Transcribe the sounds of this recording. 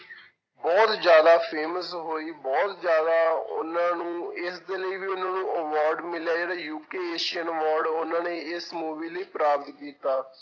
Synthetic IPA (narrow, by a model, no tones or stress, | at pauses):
bɔːt̪d͡ʒjaːd̪aːpʰeːməsɦoːiːbɔːt̪d͡ʒjaːd̪aːʊ̰nãːnũːɪsd̪eːləiːʋiːʊnãːnũːʔəʋɔːɾɖmɪljaːd͡ʒeːɽaːjuːkeːeːʃiənəʋɔːɾɖʊnãːneːɪsmoːʋiːləiːpɾaːpət̪kiːt̪aː